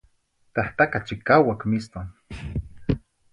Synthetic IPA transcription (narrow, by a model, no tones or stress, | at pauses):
t̪aht̪akat͡ʃikawakmist̪on